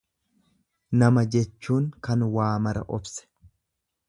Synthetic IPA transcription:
nɐmɐd͡ʒɛt͡ʃːuːŋkɐnwaːmɐɾɐ̰ʔɔbsɛ̥

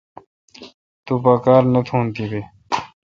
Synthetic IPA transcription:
t̪uːpakaːɾnət̪ʰoːnt̪iːbeː

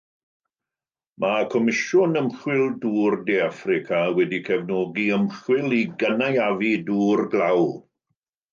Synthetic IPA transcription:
makʰɔmɪʃʊnəmχwɪlˠduːrdeafrɪkʰawɛdikʰɛvnɔːɡiəmχwɪlˠiɡənajaviduːrɡlaw

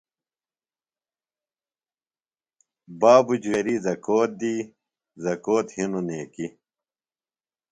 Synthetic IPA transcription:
baːbud͡ʑweɾizɐkoːt̪̚d̪iː | zɐkoːt̪hinuneːki

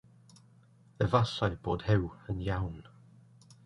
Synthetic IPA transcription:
ðəvasaɪb̥ɔ̰ːʔhɪwə̃njaʊn

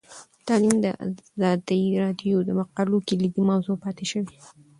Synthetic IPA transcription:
t̪ɑlimd̪ə̰ʔa̰zɑd̪iɾɑd̪jod̪əmaqɑlokelid̪imɑwzopɑt̪eʃəwi

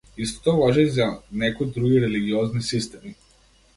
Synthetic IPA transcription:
ist̪o̥t̪oɔvɔʒɛzanɛkɔjd̪ɾuɡiɾɛliɡiɔznisist̪ɛmi

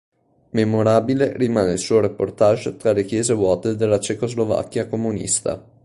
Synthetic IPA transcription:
memoɾaːbilerimaːneilsuːoɾepːort̪aʒot̪ɾalek̟jɛːzevwɔːt̪ed̪elːat͡ʃekozlova̰kːjakomunḭst̪a̰

